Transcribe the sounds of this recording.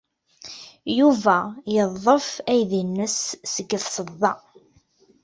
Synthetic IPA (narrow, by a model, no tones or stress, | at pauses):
juvæjəðˤːəfæjðinːəsːəɡːəθsəðˤːɑ